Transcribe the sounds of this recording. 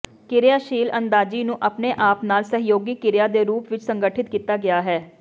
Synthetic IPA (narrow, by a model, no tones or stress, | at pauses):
kɪɾjaːʃiːlənd̪aːd͡ʒiːnũːʔapneːʔaːpnaːlsəɦjoːɡiːkɪɾjaːd̪eːɾuːpʋɪt͡ʃsəŋɡəʈʰɪt̪̚kiːt̪aːɡɪjaːɦɛː